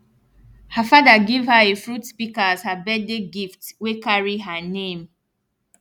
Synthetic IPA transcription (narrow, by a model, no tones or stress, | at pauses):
həfadəɡivhəefɹutspikəaz̥həbɛdeɡiftwekaɹiɦənẽm